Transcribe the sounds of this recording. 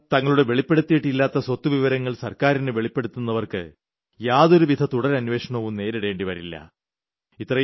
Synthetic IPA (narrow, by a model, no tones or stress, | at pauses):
t̪ɐŋːɐɭuɽe̞ʋe̞ɭipːe̞ɽut̪ːiːʈːilːaːt̪ːɐswɐt̪ːuʋiʋɐɾɐŋːɐɭsɐrkaːɾinɨʋe̞ɭipːe̞ɽut̪ːunːɐʋɐrkɨ̰ | jaːðo̞ɾuʋid̪ʱɐt̪uɽɐɾɐnuʋe̞ːʂɐɳɐoːʋumne̞ːɾiɽe̞ːɳɖiʋɐɾilːɐ̰ | it̪ːrɐ